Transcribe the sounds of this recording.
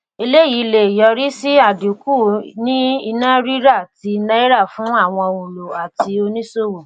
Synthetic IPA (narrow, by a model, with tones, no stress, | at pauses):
i˧le˦ji˨˦le˨jɔ˧ɾi˦si˦a˦˨du˨ku˦˨nĩ˦i˧nã˦ɾi˦ɾa˦˨ti˧nã˦i˦ɾa˦˨fũ˨˦a˦˨w̃ɔ̃˧o˨lo˨a˨ti˧o˧nĩ˦so˦˨wo˨